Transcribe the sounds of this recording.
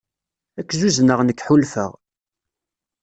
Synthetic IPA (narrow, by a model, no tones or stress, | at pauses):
ækʷːzuznəʁnəkːħulfə̰ʁ